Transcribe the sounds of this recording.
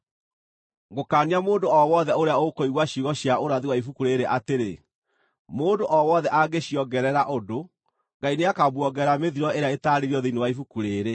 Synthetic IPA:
ɡokaːniamoːndoɔwɔðɛoɾeaokoiɣwaɕiɣɔɕjaoɾaðiwaifukuɾeɾeʔateɾe | moːndoʔɔwɔðɛʔaɡeɕjɔɡɛɾɛɾaʔodo | ŋɡaineakabwɔɡɛɾameðiɾɔeɾeaetaːɾeɾiɔðenewaifukuɾeːɾe

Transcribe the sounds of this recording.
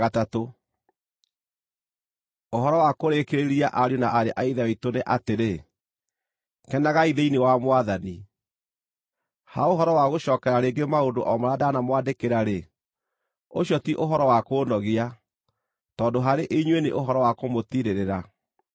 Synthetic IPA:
ɣatato | oɦɔɾɔwakoɾekeɾeɾiaʔaɾjonaʔaɾeʔaiðaitoneʔateɾe | kɛnaɣaiðeinewamwaðani | haoɦɔɾɔwaɣoɕɔːkɛɾaɾeːŋɡemaondoʔɔmaɾadaːnamwadekeɾaɾe | oɕɔtiʔoɦɔɾɔwakoːnɔɣia | tɔːndoɦaɾeʔeiɲwenḛʔoɦɔɾɔwakomotiɾeɾeɾa

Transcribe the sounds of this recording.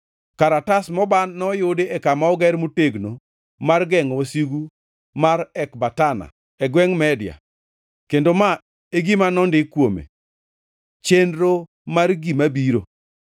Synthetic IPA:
kaɾatasmɔbanːɔjʊdeɛkamaɔɡɛɾmuteɡno | marɡɛŋosiɡu | maɾɛkbatana̰ | ɛɡwɛŋmɛdɪja̰ | kendoma | eɡimanɔndɪkwomḛ | t͡ʃendɾo | marɡimabiɾo

